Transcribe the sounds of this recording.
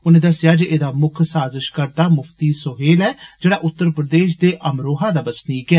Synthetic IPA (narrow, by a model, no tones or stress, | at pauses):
ʊnẽːd̪əsːɪjaːd͡ʒeːʔeːd̪aːmʊkʰsaːzəʃkəɾt̪aːmʊpʰt̪iːsoɦeːlɛːd͡ʒeːɽaːʔʊt̪ːəɾpɾəd̪eːʃd̪eːʔəmɾoːɦaːd̪aːbəsniːkɛː